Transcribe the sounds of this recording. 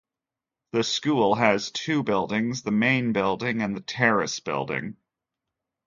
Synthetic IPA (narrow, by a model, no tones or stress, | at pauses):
ðɨskulˠɨz̥tʰʉbɪlˠdɪ̃ŋzðəmẽɪ̃nbɪlˠdɪ̃ŋɨ̃nðɨtʰɛɹɨ̰sb̥ɪ̰lˠdɪ̰̃ŋ